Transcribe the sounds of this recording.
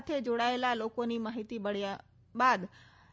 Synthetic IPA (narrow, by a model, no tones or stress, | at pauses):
t̪ʰed͡ʑoɽaːelaloːkonimaːɦit̪iɓɐɽ̤ija | ɓaːd̪